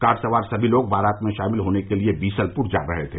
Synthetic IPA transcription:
kaːɾsɐʋaːɾsɐbʱiloːɡ̚bʱaːɾaːt̪mẽʃaːmɪlɦoːnekeliebiːsəlpʊɾd͡ʒa̰ːɾəɦet̪ʰeː

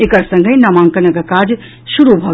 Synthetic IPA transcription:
ekɐɾsɐ̃ŋɡʱəjnɐmãːŋkɐnɐɡɐkaːd͡ʒ | ʃuɾubʱɐ

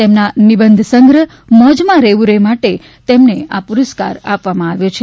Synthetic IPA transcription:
t̪emnanibənd̪ʱsəŋɡɾə | məd͡ʒmãɾeʋuɾemaʈe | t̪emneapuɾəska̰ɾapʋamãaʋjot͡ʃʰe

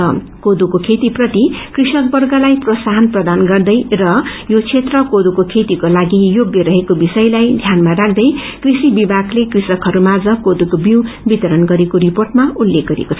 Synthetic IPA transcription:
ʌ | kod̪ukokʰet̪iprʌt̪ikrisʌk̚bʌrɡʌlajprʌsaɦʌnprʌd̪anɡʌrd̪ʌjrʌjot͡sʰet̪rʌkod̪ukokʰet̪ikolaɡijoɡjʌɾʌɦekobisʌjlajd̪ʱjanmaɾak̚ʰd̪ʌj | krisibibʱaklekrisʌkɦʌɾumad͡zʌkod̪ukobiwbit̪ʌɾʌnɡʌɾekoɾiporʈmaulːek̚ɡ̥ʌɾḛkot͡sʰʌ

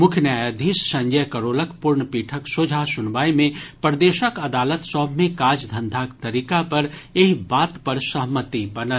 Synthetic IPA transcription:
mʊkʰjənjaːjəd̪ʱiːssɐ̃ɲd͡ʒəjkəɾoːləkpʊɾɳpiːʈʰəksod͡ʒʱasʊnʋaːimẽpɾd̪eːʃəkɐd̪aːlət̪sɔːbʱmẽkaːd͡ʒd̪ʱɐ̃nd̪ʱaːkt̪ɐɾiːkapɐɾeɦbaːt̪pɐɾsəɦmət̪ibɐnə

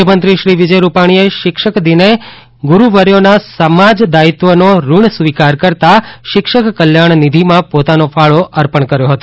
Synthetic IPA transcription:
əmənt̪ɾiʃɾiʋid͡ʒəjɾupaɽ̃ieʃɪkʃəkd̪ine | ɡuɾuʋəɾjonasəmad͡ʒd̪ait̪ʋənoɾuɳsʋikaɾkəɾt̪aʃɪkʃəkːəljaɳ̃nid̪ʱimãpot̪anofʰaɭoʔəɾpəɳkəɾjoɦət̪o

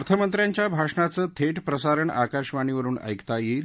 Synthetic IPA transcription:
ɾt̪ʰəmənt̪ɾjaɲt͡ɕjabʱaʂɳat͡səːt̪ʰeʈpɾəsaɾəɳa̰kaʂʋaɳ̃iʋəɾuːnə̰jkt̪ajiː

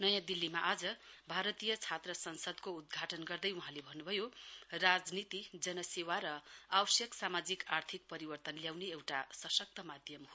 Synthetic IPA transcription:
nʌjãd̪ilːimaʔad͡zʌbʱaɾʌt̪ijʌt͡sʰat̪rʌsʌnsʌd̪koud̪̚ɡʱaʈʌnɡʌrd̪ʌjuɦãlebʱʌnːubʱʌjorad͡znit̪id͡zʌnʌsewaɾʌawʌsjʌksamad͡zikart̪ʰik̚pʌɾibʌrt̪ʌnljawneewʈasʌsʌk̚t̪ʌmad̪ʱjʌm

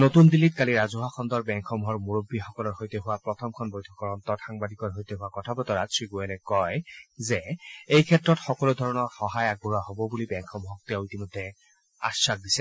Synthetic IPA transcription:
notundilːitkaliɹazuɦaxʰɔndɔɹbɛŋkʰɔmɦɔɹmuɹobːixɔkɔlɔɹhojtɛɦʊwapɹɔtʰɔmkʰɔnbojtʰɔkɔɹɔnt̪ɔtxaŋbadikɔɹɦojtɛɦʊwakɔtʰabɔtɔɹasʰɹiɡuɛlɛkɔjzɛejkʰɛtɹɔtxɔkɔlud̪ʱɔɹɔnɔɹxɔɦajaɡ̚buɹaɦobɔbulibɛŋkʰɔmɦɔk̚tɛʊitimɔdʱːɛ | a̰sak̚disɛ

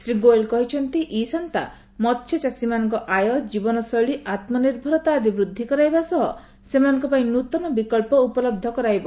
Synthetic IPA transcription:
sɾiɡoelkɔɦit͡ʃʰɔnt̪iʔisɔnt̪a̰ | mɔt̪ːʃʰɔt͡ʃasimanɔŋkɔʔajɔd͡ʒibɔnɔsɔjɭiʔat̪mɔniɾbʱɔɾɔt̪aːd̪ibɾud̪ʱːikɔɾajbasɔɦɔ | semanɔŋkɔpaĩnut̪ɔnɔbikɔlpɔupɔlɔb̚d̪ʱɔkɔɾajbɔ

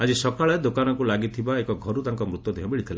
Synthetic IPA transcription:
ad͡ʒisɔkaɭed̪okanɔŋkulaɡit̪ʰibaekɔɡʱɔɾud̪aŋkɔmɾut̪jɔd̪ʱiɦɔ̃biɭit̪ʰila̰

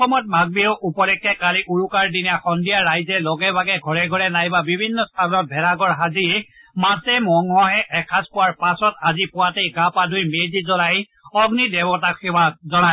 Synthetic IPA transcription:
ɔxɔmɔt̚bʱaɡ̚biʊʔupɔlɛkːɛkaliʔuɹukaɹdinijaxɔndijaːajzɛlɔɡɛbʱaɡɛɡʱɔɹɛɡʱɔɹɛnajbabibʱinːɔst̪ʰanɔt̚bʱɛɹaɡɔɹɦaziɛ | masɛmɔŋɦɔɦɛʔɛkʰaspʊwaɹpasɔtazipʊwatejɡapadʱujmezizɔlaj | ɔɡnidɛbɔtakʰɛwazɔna

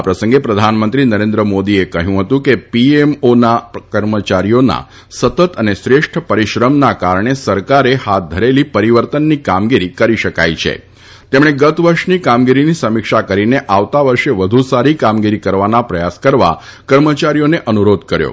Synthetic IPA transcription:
apɾəsəŋɡepɾəd̪ʱanmənt̪ɾinəɾẽnd̪ɾəmod̪iekəɦjũɦət̪ũkepiemonakəɾmət͡ʃaɾijona̰ | sət̪ət̪ənesɾeʃʈʰəpəɾiʃɾəmnakaɾɳ̃esəɾkaɾehat̪̚d̪ʱəɾelipəɾiʋəɾt̪ənːikamɡiɾikəɾiʃəka̰jt͡ʃʰḛ | t̪emɽ̃eɡət̪ʋəɾʃnikamɡiɾinisəmikʃakəɾineʔaʋt̪aʋəɾʃeʋəd̪ʱũsaɾikamɡiɾikəɾʋanapɾəjaskəɾʋa̰ | kəɾmət͡ʃaɾijoneʔənuɾod̪ʱkəɾjo̰

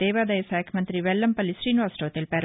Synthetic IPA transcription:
eːʋaːd̪ɐjɐsaːkʰɐmɐnt̪ɾiʋɛlːɐmpɐlːisɾiːnʋaːsʈɐːt̪elpæːɾ

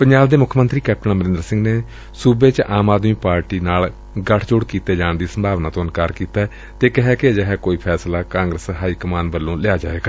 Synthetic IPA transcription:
pəɲd͡ʒaːbd̪eːmʊkʰːmə̃nt̪ɾiːkɛːp̚ʈənaːməɾɪ̃nd̪əɾsɪ̃ŋɡneː | suːbeːt͡ʃʔaːmaːd̪miːpaːɾʈiːnaːl | ɡəʈʰd͡ʒʊɽkiːt̪eːd͡ʒaːɳd̪iːsəmbʱaːʋnaːt̪õːnkaːɾkiːt̪aːɛː | t̪eːkɪɦɛːkɪd͡ʒəɦɛːkoːiːpʰɛːslaːkãːŋɡɾəsɦaːiːkəmaːnʋəlːõːlɪaːd͡ʒaːʋeːɡaː

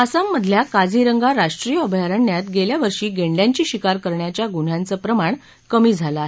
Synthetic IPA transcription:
əsamːəd̪ʱljakad͡zʱiɾəŋɡaɾaʂʈɾijəːbʱjaɾəɳːjat̪ɡeljaʋəɾʂiːɡeɳɖjaɲt͡ɕiːɕikaɾkəɾɳjat͡ɕjaɡuɳ̤jãnt͡səːpɾəmaɳ | kəmiːd͡zʱaləaɦe

